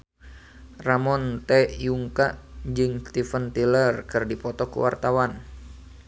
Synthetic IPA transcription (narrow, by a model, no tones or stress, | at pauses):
ramɔnt̪ɛʔjuŋkaʔd͡ʒɨŋst̪ifənt̪ilərkɨrdipɔt̪ɔkṵwa̰rt̪awan